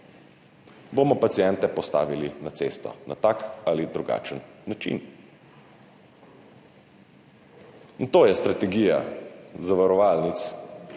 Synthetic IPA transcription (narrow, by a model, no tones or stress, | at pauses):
bomɔpatsijɛnt̪ɛpɔst̪a̰ːʋilinat̪seːst̪ɔ̰na̰t̪akalid̪ɾuɡa̰ːt͡ʃənːat͡ʃḭn | nt̪oːjɛst̪ɾat̪ɛɡiːja̰zaʋaɾɔʋaːlnit̪s